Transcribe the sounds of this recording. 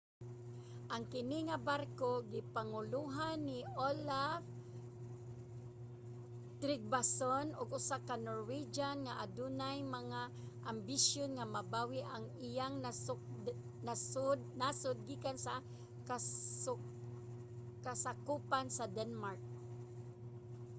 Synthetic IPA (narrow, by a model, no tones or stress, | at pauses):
ʔaŋkɪnɪŋabarkoɡɪpaŋʊluɦanːɪolaf | t̪ɾɪɡ̚basonʊɡʊsakanoɹwid͡ʒanŋaʔad̪unajmaŋa | ʔambisjonŋamabawɪʔaŋɪjaŋnasʊ | nasdnasʊd̪̚ɡikansa | kaʊ | kasakupansad̪ɛnmaɹk̚